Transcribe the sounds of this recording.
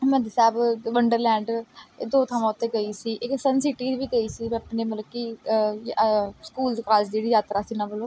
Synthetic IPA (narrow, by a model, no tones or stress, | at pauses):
mɛ̃d̪sɛːbʋəɳɖəɾlɛ̃ːɳɖd̪oːt̪ʰamãːʊt̪eɡəiːsiːʔɪksənsɪʈiːbʱiːɡəiːsiːmɛ̃əpneːmət̪ləb̚kijskuːld̪kaːlsd͡ʒeːɽiːjaːt̪ɾaːsiːnãːbəloː